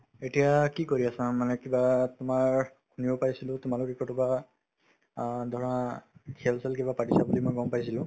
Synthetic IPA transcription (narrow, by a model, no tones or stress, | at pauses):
etijakikoɹiasamanɛkibatʊmaɹ | kʰunibɔpaɹjsilʊ̃tʊmalʊkekɔtuba | d̪ʱɔɹãkʰɛlsɛlkibapaʈisabulimojɡɔmpajsilʊ̃